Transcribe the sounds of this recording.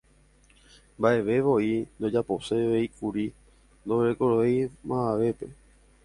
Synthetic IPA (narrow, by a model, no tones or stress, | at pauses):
mbaʔe̞ʋe̞ʋo̞ind̪o̞d͡ʒapo̞se̞ʋeikuɾi | nd̪oʋɾekoɾoejmãaʋe̞pe̞